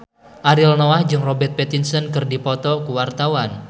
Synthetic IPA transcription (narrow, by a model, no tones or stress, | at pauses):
ʔaɾilnɔahd͡ʒɨŋrɔbɛrt̪̚pet̪insənkɨrdipɔt̪ɔkuwart̪awan